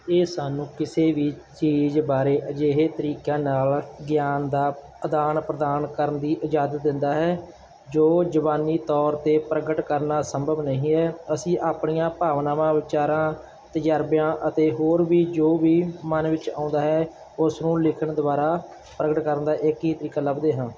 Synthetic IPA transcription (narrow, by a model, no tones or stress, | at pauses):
eːsaːnũːkɪseːʋiː | t͡ʃiːzbaːɾeːʔəd͡ʒeːɦeːt̪əɾiːkjãːnaːlɡjaːnd̪aː | əd̪aːnpɾəd̪aːnkəɾənd̪iːʔɪd͡ʒaːd̪ət̪̚d̪ɪnd̪aːɦɛː | d͡ʒoːd͡ʒəʋaːniːt̪ɔːɾt̪eːpɾəɡəʈkəɾnaːsəmbʱəʋnəɦĩːɦɛːəsĩːʔaːpɳijãːpaːʋnaːmãːʋɪt͡ʃaːɾãː | t̪əd͡ʒaːɾbjãːʔət̪eːɦoːɾʋiːd͡ʒoːʋiːmənʋɪt͡ʃa̰ːʊ̃nd̪aːɦɛː | ʊsnũːlɪkʰəɳd̪ʊʋaːɾaː | pɾəɡəʈkəɾənd̪aːʔɪkɦiːt̪əɾiːkaːləbd̪eːɦãː